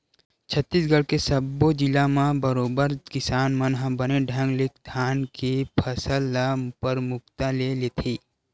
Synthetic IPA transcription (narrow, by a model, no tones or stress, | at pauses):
t͡ʃʰət̪ːiːsɡəɽkesəbod͡ʒɪlamãbəɾoːbəɾkɪsaːnmənɦãbəneɖʱə̃ŋɡlɪk̚ʰd̪ʰʱaːnkepʰəsəlapəɾmʊk̚t̪alelet̪ʰiː